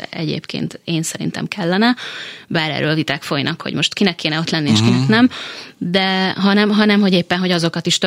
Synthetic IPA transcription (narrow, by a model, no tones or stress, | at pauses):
ɛɟḛːpkḛːnt̪eːnsɛɾḭnt̪ɛ̰mkʰɛlːɛnɛbaːɾɛ̰ːrːøːlvit̪aːkfo̞jnɒ̰kho̰ɟmo̞ʃt̪kinɛkːeːnɛo̞t̪lɛnːieːʃkinɛknɛmd̪ɛɦɒnɛmɦɒnɛmɦo̞ɟeːpːɛnɦo̞ɟɒzo̞kɒt̪iʃt̪ø